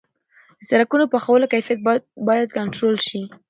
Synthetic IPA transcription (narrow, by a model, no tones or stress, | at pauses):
d̪əsaɾakunopaxawəlokajfijat̪̚bɑjad̪̚kaɳʈɾolʃi